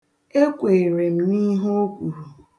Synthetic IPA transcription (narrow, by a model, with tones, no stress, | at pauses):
e˦kʷe˨ɾe˨m̩˦ni˦ɦo˦o˦kʷu˨ɾu˨